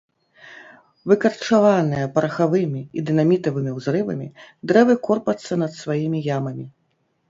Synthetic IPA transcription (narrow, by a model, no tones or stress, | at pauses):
vɨkɐrt͡ʂavanɨjɐpɐɾɐxavɨmʲiid̪ɨnamʲit̪ɐvɨmʲiwzɾɨvɐ̰mʲid̪ɾɛvɨkɔrpɐt̪sːɐnɐt̪svajimʲijamɐmʲi